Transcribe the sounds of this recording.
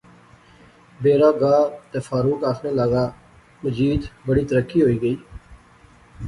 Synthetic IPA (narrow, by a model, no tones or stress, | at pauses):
beːɾaːɡaːt̪eːfʰaːɾuːkaːkʰneːlaːɡaː | məd͡ʒiːd̪bəɽiːt̪əɾəkːiːɦoːiːɡəiː